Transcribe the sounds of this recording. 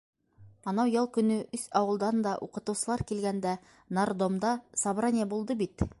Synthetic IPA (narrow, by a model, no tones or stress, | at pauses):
ɑnɑwjɑlˠkɵ̆nɵʔɵsɑwɤ̆lˠd̪ɑnd̪ɑʔuqɤ̆t̪ɤ̆wsɤ̆lˠɑɾkilɡænd̪æ | nard̪omd̪ɑsɑbɾɑnʲɪjəbulˠd̪ɤbit̪